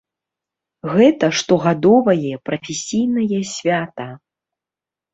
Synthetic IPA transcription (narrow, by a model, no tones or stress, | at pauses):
ɣɛt̪ɐʂt̪ɔɣad̪ɔvɐjɛpɾɐfʲesʲijnɐjɛsʲvʲat̪ɐ